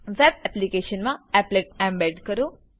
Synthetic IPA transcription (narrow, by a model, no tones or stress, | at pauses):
ʋɛbɛplikeɕənmaɛpleʈ̚ɛ̃mbɛɖkəɾũ